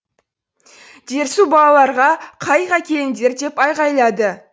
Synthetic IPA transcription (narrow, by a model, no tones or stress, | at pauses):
d̪̥e̞ɾsubɑlˠɑlˠɑɾʁɑqʰɑjʁɑkʲʰe̞j̪ɪnd̪e̞ɾd̪e̞pɑjʁɑjlˠɑd̪ə